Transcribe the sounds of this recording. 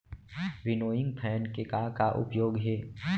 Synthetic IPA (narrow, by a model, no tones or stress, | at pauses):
ʋɪnoːjɪ̃ŋɡpʰɛːnkekakaʔʊ̰pjoːɡɦɛː